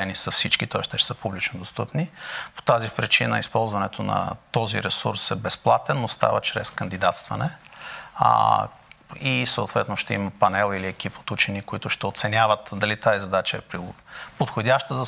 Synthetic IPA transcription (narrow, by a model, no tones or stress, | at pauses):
ɛnisɐfsit͡ʃkit̪ɔɛʃt̪ɛʃɛ̥səpublit͡ʃnod̪ost̪ɤpnipo̥t̪azifpɾit͡ʃinə̰ispɔlˠzvɐnɛt̪ʰonɐ̰t̪ɔzḭɾɛsuɾsɛbɛsplˠat̪ɛnːost̪a̰vət͡ʃɾɛ̰skɐnd̪id̪at̪st̪vɐnɛ | isəo̰t̪vɛt̪noʃt̪ɛiməpɐnɛlˠiliɛkipo̥t̪ut͡ʃɛnikoit̪ʊʃt̪ɛot̪sɛnʲavət̪d̪ɐlit̪azizɐd̪at͡ʃəɛpɾipot̪xodʲaʃt̪əzɐ